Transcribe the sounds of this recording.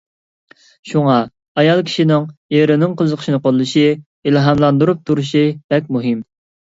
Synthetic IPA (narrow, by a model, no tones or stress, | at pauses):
ʃuŋɑ | ɑjɑlˠkʲʰi̥ʃinɪŋjeɾɪnɪŋqʰəzəqʰə̥ʃinɨqʰolˠːɨʃi | ilˠɦɑmlˠɑnd̪uɾup̚t̪ʰuɾuʃib̥ɛkʲmuɦɨm